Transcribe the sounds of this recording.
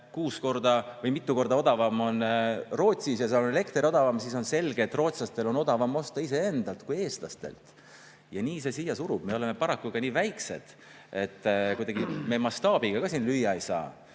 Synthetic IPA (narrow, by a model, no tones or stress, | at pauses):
kuːsko̞rd̪̥ɑvɤjmit̪ːuko̞rd̪ɑo̞d̪ɑvɑmo̞nro̞ːt̪ʲsisjɑseonele̞kt̪rio̞d̪̥ɑvɑmsiso̞nse̞lɡeːt̪ːˑro̞ːt̪slɑst̪e̞lo̞no̞d̪̥ɑvɑmo̞st̪ɑise̞e̞nd̪̥ɑlt̪kuje̞ːst̪lɑst̪e̞̰lt̪ˑ | jɑniːse̞sijːɑsuɾub̥me̞o̞le̞me̞pɑɾɑkːuɡɑniːvæjkse̞̰d̪̥ | e̞t̪ːˑkujd̪̥ɑɡime̞mɑst̪ɑːb̥iɡ̥ɑɡɑsiːnlyjːɑejsɑ̰ː